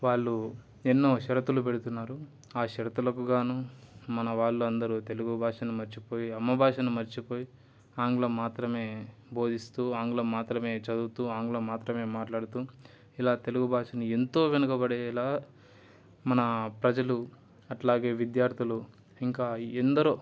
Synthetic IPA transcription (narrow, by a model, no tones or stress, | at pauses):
ʋaːɭːu | enːoːʃɐɾɐt̪ulup̬eɽut̪unːaːɾu | aːʃɐɾɐt̪ulɐkuɡaːnumɐnɐʋaːɭːuɐnd̪ɐɾut̪e̞luɡubʱaːʂɐnumɐɾt͡ʃipo̞ːjiɐmːɐbʱaːʂɐnumɐɾt͡ʃipoːji | aːŋɡulɐmːaːt̪ɾɐme̞ːbʱo̞ːd̪ist̪uːaːŋɡulɐmːaːt̪ɾɐme̞ːt͡ʃɐd̪uːt̪uːaːŋɡlɐmːaːt̪ɾɐme̞ːmaːʈlaːɽut̪uː | ilaːt̪e̞luɡubʱaːʂɐnie̞nt̪o̞ːʋenɐkɐbɐɽeːlaː | mɐnɐpɾɐd͡ʒɐlu | ɐʈlaːɡe̞ːʋid̪jaːɾt̪ʰilu | iŋkaːend̪ɐɾu